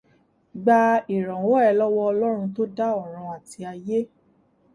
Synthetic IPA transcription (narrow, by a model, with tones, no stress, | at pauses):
ɡ͡ba˧i˨ɾã˨wõ˦ɛ˧lɔ˦wɔ˦ɔ˧lɔ˦ɾ̃ũ˧to˦da˦ɔ˦˨ɾ̃ɔ̃˧a˨ti˧a˧je˦